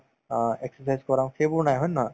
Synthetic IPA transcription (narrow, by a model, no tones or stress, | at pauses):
eksəɾsajzkɔɾamkebunajɦənːa